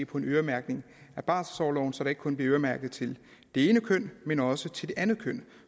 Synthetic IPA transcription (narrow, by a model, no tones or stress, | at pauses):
pʰɒ̽e̝nøːɐmæɐɡ̥ne̝ŋ | æb̥ɑ̰̈ːssɒʊlɒʊn̩sɒ̽ɾ̥ɑ̈e̝ɡ̥əkʰɔ̽nb̥liɐøːɐmæɐɡ̥ð̩ˠt͡sʰe̝l | d̥e̝e̝ːnəkʰøn̰menɒ̽sət͡sʰe̝ld̥e̝ʔænð̩ˠkʰøn̰